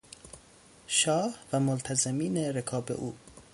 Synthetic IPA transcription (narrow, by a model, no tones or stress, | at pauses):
ʃɒːhvæmolt̪ʰæzemiːneɾekʰɒːbḛʔuː